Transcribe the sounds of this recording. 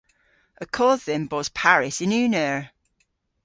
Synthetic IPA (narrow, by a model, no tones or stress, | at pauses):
əkʰɔːðɪmbɔz̥pʰaɹɪsɪ̃nʉːnəɹ